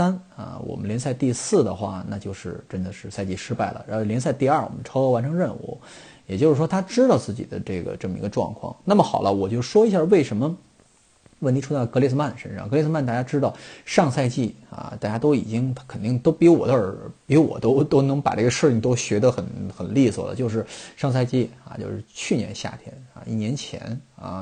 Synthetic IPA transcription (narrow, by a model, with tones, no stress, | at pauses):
a˥nɐ̰˧˩wʔɔ̰˨˩mə˦nljɛ˧˥nsa˥˧ɪt̪i˥˧sɹ̩˥˩d̪ə̰˩xwa̰˥˩na̰˥˧˩t͡ɕjo˥˧ʊʂɻ̩˥˧ʈ͡ʂə˥nd̪ə˨ʂɻ̩˥˧sa˥˧ɪt͡ɕi˥˩ʂɻ̩˥pa˥˩ɪlə̰˩ɻa˧˥nxljns̬a˥˧ɪt̪i˥˧ɐ˞˥˩wɔ̰˨˩mə˦nʈ͡ʂʰɑ˥ʊxa˧˥nʈ͡ʂʰɤ˧˥ŋɻə˥˩nṵ˨˧˩ | jɛ˨˩t͡ɕjo˥˧ʊʂɻ̩˥˩ʂwɔ˥t̪ʰa˥ʈ͡ʂɻ̩˥t̪ɑ˥˧ʊt͡sɹ̩˥˩t͡ɕḭ˨˩d̪ə̰˦ʈ͡ʂɤ˥˩ɡə̰˩ʈ͡ʂɤ˥˩mə˩ḭ˧˥ɡə˧ʈ͡ʂwɑ̰˥˧ŋkʰwɑ̰˥˩ŋna˥˩mə˩xɑ˨˩ʊlə˦wɔ˨˩t͡ɕjo˥˧ʂwɔ˥i˧˥ɕja˥˧we˥˩ɪʂə˧˥mə˧ | wni˧˥ʈ͡ʂʰu˥t͡sa˥˩ɪkɤ˧˥li˧s̬̩˥ma˥˩n˩ʂə̰˥nʂɑ̰˥˩ŋkɤ˧˥li˥˧s̩˥ma˥˧nt̪a˥˩t͡ɕja˥ʈ͡ʂɻ̩˥t̪ɑ˥˧ʊʂɑ˥˧ŋsa˥˧ɪt͡ɕi˥˩ | a̰˧t̪a˥˩t͡ɕja˥t̪o˥ʊḭ˨˩t͡ɕi˥ŋʰkʰə˨˩nt̪i˥˩ŋt̪o˥ʊpi˧˥wɔ̰˨˩d̪ə˦ə˞˨˧˩pi˧˥wɔ̰˨˩t̪o˥ʊt̪o˥ʊnɤ˧˥ŋpa̰˨˩ʈ͡ʂɤ˥˩ɡə˩ʂɻ̩ʰ˥˩i˥˩ŋt̪o˥ʊɕɥɛ˧˥d̪ə˧˦xə˨˩nxə˨˩nli˥˩swɔ̰˨˩lə̰˩t͡ɕjo˥˧ʊʂ̬ɻ̩˥˧˩ʂɑ˥˧ŋs̬a˥˧ɪt͡ɕi˥˩a̰˧˩t͡ɕjo̰˥˧ʊʂɻ̩˥˧t͡ɕʰy˥˩njɛ̰˧˥nɕja̰˥˩t̪ʰjɛ̰˥na̰˧i˥˩njɛ˧˥nt͡ɕʰjɛ̰˧˥na̰˧˩